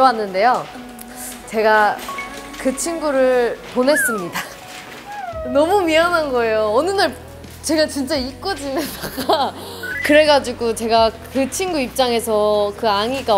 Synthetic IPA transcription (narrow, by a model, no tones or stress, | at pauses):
wanːɯnde̞jo | t͡ɕe̞ɡa | kɯt͡ɕʰinɡuɾɯɭponɦe̞s͈ɯmɲida | nʌmumiʌnɦanɡʌe̞joʌnɯnaɭ | t͡ɕe̞ɡat͡ɕint͡ɕ͈aik͈ʌd͡ʑinɯnsaɡa | kɯɾe̞ɡad͡ʑiɡot͡ɕe̞ɡakɯt͡ɕʰinɡuip̚t͡ɕ͈aŋe̞sʰʌkɯaŋiɡa